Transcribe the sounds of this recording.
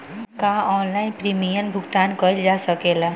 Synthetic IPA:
kaɔːnlainpɾimijənbʱuɡt̪aːnkəild͡ʒasəkela

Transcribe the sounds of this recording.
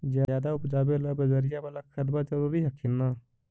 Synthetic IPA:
d͡ʒjaːaːd̪aʊpd͡ʒaːbeləbəd͡ʒəɾɪjabalakʰəd̪bat͡ʃəlobiɦəkʰːɪnːaː

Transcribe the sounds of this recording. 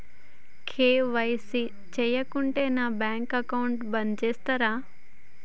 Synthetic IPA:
kʰeːʋəjsi | t͡ʃejəkʊɳʈenaːbɛ̃ːŋkɐkaʊɳʈbɐnd͡ʒeːst̪ɐɾaː

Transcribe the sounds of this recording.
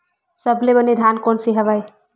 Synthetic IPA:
səblebəned̪ʱankonsiɦəβaj

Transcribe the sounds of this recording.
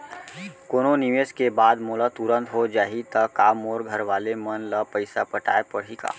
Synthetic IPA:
koːnoniʋeːskebaːd̪moːlat̪uɾə̃nt̪ɦod͡ʒaːɦit̪əkaːmoːɾɡʱəɾʋaːlemənləpəɪsapəʈa̰ːepəɽ̤ɦika̰ː

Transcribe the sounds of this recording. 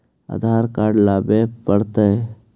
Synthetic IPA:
a̰d̪ʱaːɾkaːɾɖlaːbepəɽt̪e

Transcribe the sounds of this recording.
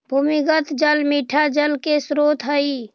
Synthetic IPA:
bʱumiɡət̪d͡ʒəlmiʈʰad͡ʒəlkesɾot̪ɦəi

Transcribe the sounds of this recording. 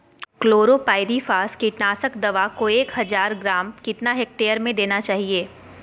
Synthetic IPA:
kloːɾopaːɪd̪ifaːskiʈnaːsəkd̪ɐʋakoeːkɦɐzaːɾɡɾaːmkɪt̪naɦɛk̚ʈeːəɾmẽd̪eːnat͡ʃaːɦieː

